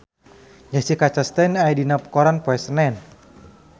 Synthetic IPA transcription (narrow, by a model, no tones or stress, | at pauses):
d͡ʒat͡ʃikat͡ʃast̪ɛnajdinapkɔɾanpɔɛsənɛn